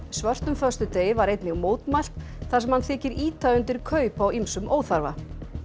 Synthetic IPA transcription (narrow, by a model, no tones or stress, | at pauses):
svœr̥t̪nʏmfœst̪ʏt̪eːjvaɾejt̪nɪɣmoːwt̪majl̥t̪ | θḁsɛmhanθɛːcɪɾiːt̪ʰajʏnt̪ɪɾ̥kʰœːɥpawimsʏmoːwθaɾva̰